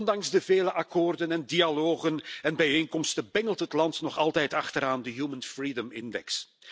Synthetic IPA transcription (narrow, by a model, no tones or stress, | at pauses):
ndɑŋzdəveːləʔɑkoːrdənɛndialoːɣənɛnbɛjeːŋkɔmstəbɛŋəlˠtɦətlɑntnɔχɑlˠtɛjtɑχtəɾaːndəjuːmənfriːdəmɪndɛ̰ks